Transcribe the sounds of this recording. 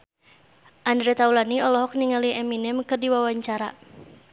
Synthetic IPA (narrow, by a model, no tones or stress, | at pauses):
ʔandɾɛt̪aulaniɔlɔɦɔk̚niŋaliʔɛminɛmkɨrdiwawaɲt͡ʃaɾa